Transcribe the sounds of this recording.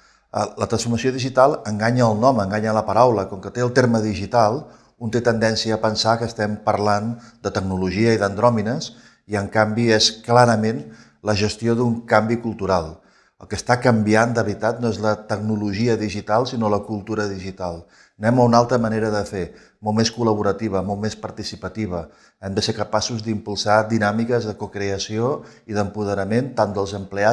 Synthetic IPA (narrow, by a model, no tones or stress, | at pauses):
ə̰lət̪ɾənsfuɾməsijoðiʒit̪alˠəŋɡaɲəːlˠnɔməŋɡaɲələpəɾawləkɔŋkət̪eəlˠt̪eɾməðiʒit̪alˠ | unt̪et̪ənd̪ɛnsiəːpənsakəːst̪ɛmpəɾland̪ət̪əɡnuluʒiəiðənd̪ɾɔminəs | iəŋkambiɛsklaɾəmen | ləʒəst̪ioðuŋkambikulˠt̪uɾalˠ | ə̰lˠkəst̪akəmbiand̪əβɾit̪at̪̚noɛzlət̪əɡ̚nuluʒiəðiʒit̪alˠsinoləkulˠt̪uɾəðiʒit̪alˠ | nɛməunalˠt̪ɾəməneɾəðəfe | molˠmeskuləβ̞uɾət̪iβ̞əmolˠmespəɾt̪isipət̪iβ̞ə | ɛmd̪əsekəpasuzd̪impulˠsad̪inamikəzðəkukɾeəsioiðəmpuð̞əɾəment̪and̪əlˠzəmplea